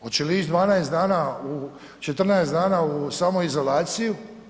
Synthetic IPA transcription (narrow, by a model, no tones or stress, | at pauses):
ot͡ʃeliːʃd̪ʋaːnaesd̪aːnau | t͡ʃet̪r̩naesd̪aːnausaːmoizo̞laːt̪siju